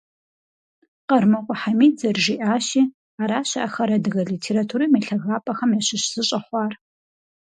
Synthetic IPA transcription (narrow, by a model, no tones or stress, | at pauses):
qɐrmɐqʷʼʊħamiːd͡zɐrʒiʔaːʃiː | aːɾaːɕɐʔaxɐɾɐdɨɣɐɮiːtʰeːɾatʰuːɾiːmɐɬɐɣaːpʼɐxɐmjaɕɪɕz̥ɨɕʼɐχʷɑːr